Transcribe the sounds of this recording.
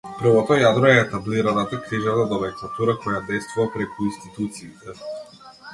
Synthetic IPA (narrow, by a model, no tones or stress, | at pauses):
pr̩vɔt̪ɔjad̪ɾɔɛːt̪abliɾanat̪akɾiʒat̪ad̪ɔvɛk̪lˠat̪uɾakɔjad̪ɛjst̪vuvapɾɛkuinst̪it̪ut̪siːt̪ɛ